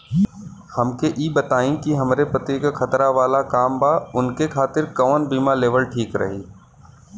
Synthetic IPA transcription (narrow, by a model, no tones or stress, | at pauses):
hɐmkeʔiːbɐt̪aːĩkiɦɐmɾepɾɐt̪iːkaxʰɐt̪ɾaʋaːlakaːmbaʊnkekʰaːt̪ɪɾkɐʋnbiːmaleːʋəlʈʰiːkɾɐ̰ɦiː